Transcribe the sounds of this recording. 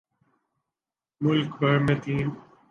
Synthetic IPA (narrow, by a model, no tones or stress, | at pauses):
mʊlkbɐɾmet̪iːn